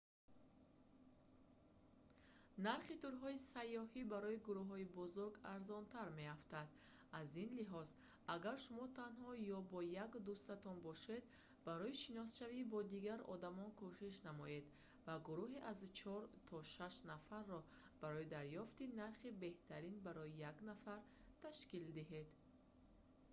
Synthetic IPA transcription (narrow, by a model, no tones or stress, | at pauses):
naɾχit̪uɾɦɔisajːɔhibaɾɔiɡuɾuɦɔibɔzuɾɡaɾzɔnt̪ʰaɾme̞aft̪ad̪ | azinliɦɔz | aɡaɾʃumɔt̪ʰanhɔjɔbɔjakd̪ust̪at̪ɔnbɔʃe̞d̪ | baɾɔjiʃinɔsʃavibɔd̪iɡaɾɔ̰d̪amɔnkʰuʃiʃnamɔje̞d̪ | vaɡuɾuɦiʔazt͡ʃʰɔɾt̪ʰɔʃaʃnafarːɔ | b̥aɾɔjid̪aɾjɔft̪inaɾχibe̞ht̪ʰaɾinbaɾɔjijaɡnafaɾ | t̪ʰaʃkild̪iɦed̪